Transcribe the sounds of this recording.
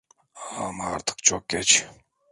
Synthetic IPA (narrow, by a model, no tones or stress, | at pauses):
amɑɾt̪ʰɨ̥qt͡ʃʰok̚ɡʲet͡ʃ